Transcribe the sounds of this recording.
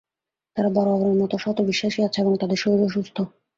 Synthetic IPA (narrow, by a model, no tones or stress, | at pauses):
t̪aɾabɔɾoaboɾeɾmɔt̪oʃɔt̪obiʃːaʃiat͡ɕʰeeboŋt̪ad̪eɾʃoɾoʃust̪ʰo